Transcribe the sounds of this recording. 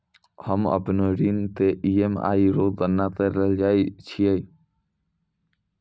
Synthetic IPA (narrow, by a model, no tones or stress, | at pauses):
həmə̰pnoɾint̪eʔiema̰ːiɾoːd̪ənːat̪eɾəld͡ʒaːit͡ʃʰiəj